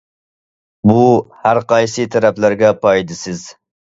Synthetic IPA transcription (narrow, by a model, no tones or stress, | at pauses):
buhæɾqʰɑjsɨt̪ʰæɾɛplæɾɡʲɛpʰɑjd̪ɪsɪz